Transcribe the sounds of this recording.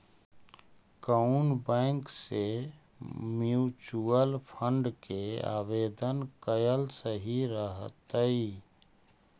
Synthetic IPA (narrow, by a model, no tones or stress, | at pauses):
kənbɛ̃ŋkse | mjut͡ʃuəlpʰəɳɖkea̰ːbed̪ənkəjəlsəɦiɾəɦt̪əi